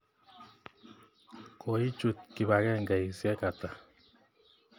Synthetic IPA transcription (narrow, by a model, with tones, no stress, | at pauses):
kʰɔ˨i˦t͡ʃu˨t̚ki˨ba˨kɛ˦ŋɡa˨i˨sjɛ˦ka˨ta˨